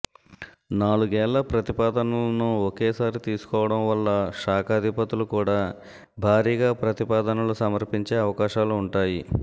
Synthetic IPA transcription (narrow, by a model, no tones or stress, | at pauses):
naːɭuɡɛːɭːɐpɾɐt̪ipaːd̪ɐnulnuɔkɛːsaːɾit̪iːsu̥kɔːʋɐɽɐmʋɐlːɐʃaːkaːd̪ʱipɐt̪ulukuːɽaː | bʱaːɾiːɡaːpɾɐt̪ipaːd̪ɐnɐlusɐmɐɾpiɲt͡ʃeːɐʋɐkaːʃaːluːɳʈaːji